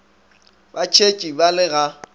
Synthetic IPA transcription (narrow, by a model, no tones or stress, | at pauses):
bat͡ʃʰet͡ʃʼibalɪɣa